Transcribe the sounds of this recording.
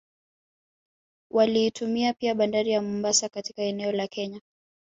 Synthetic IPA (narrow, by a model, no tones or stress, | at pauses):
wʔaliːtumiapiaɓandaɾijamumbasakati̥kaɛnɛɔlakʰɛɲa